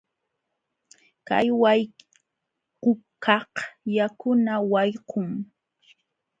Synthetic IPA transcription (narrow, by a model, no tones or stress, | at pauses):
ka̰jwaj | qʊkʰɑhjakʊnawɑjqʊŋ